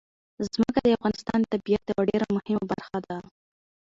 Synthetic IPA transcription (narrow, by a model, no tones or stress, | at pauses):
zzməkad̪əafɣɑnɪst̪ɑnt̪abijat̪jawaɖeɾamʊhɪmabaɾxad̪a